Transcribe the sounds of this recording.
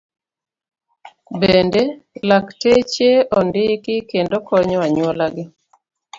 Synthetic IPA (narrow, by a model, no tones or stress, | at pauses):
bendelaktet͡ʃeɔndɪkɪkendokɔɲɔaɲwolaɡɪ